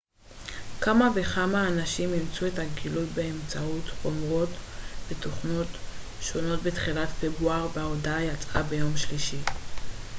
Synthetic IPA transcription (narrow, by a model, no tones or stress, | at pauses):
kamave̞χamaːnaʃimimt͡sue̞thaɡilutbe̞emt͡sauto̞mʁo̞tveto̞χno̞t | ʃo̞no̞tbetχilatfebʁuaʁbeodaajat͡sʼa̰be̞jo̞mʃliʃi